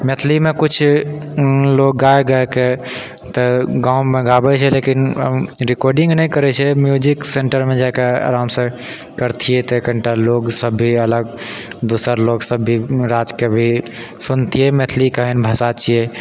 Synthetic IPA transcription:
met̪ʰlimekut͡ʃʰ | lok̚ɡaeɡəeke | t̪ɔɡãwmeɡabɛt͡ʃʰɛlekinɾikɔɾɖĩŋɡnɛjkəɾɛt͡ʃʰɛmjud͡ʒikseɳʈəɾmed͡ʒakea̰ɾamsə̃ | kəɾt̪ʰijɛt̪kəɳʈaloksəbʱːiələɡd̪osəɾloɡsəbʱːiɾad͡ʒkebʱisunt̪ijɛmet̪ʰlikəɦɛnbʱəsat͡ʃʰijɛ

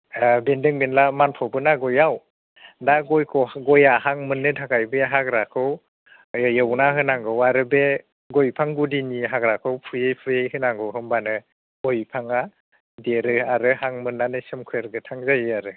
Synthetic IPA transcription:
bendɯŋbenlamanpʰɔbɯnaɡɔjaw | daɡojkʰɔwɡɔjahaŋmɯnːɯtʰaɡajbeɦaɡɾakʰɯw | jɯwnaɦɯnaŋɡɯwaɾɯbe | ɡɔjpʰaŋɡudiniɦaɡɾakʰɯwpʰujejpʰujejhɯnaŋɡɯwɦɯmbanɯ | ɡɔjpʰaŋa | deɾɯaɾɯhaŋmɯnːanɯsɯmkʰɯjeɾɡɯtʰaŋzajɯaɾɯ

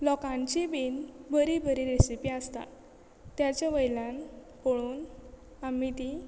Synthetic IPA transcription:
lɔkãɲt͡ɕibinbəɾibʱəɾiɾesipiast̪a̰ | t̪ːjat͡ɕaʋəjlãnpoɭuːn | amit̪i

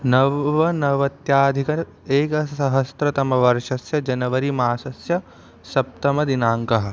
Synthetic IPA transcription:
nɐʋɐnɐʋɐt̪jaːd̪ʱikɐ | eːkɐsɐɦɐst̪ɾɐt̪ɐmɐʋɐɾʃɐsjɐd͡ʒɐnɐʋɐɾimaːsɐsjɐ | sɐp̚t̪ɐmɐd̪inaːŋkɐɦɐ̆

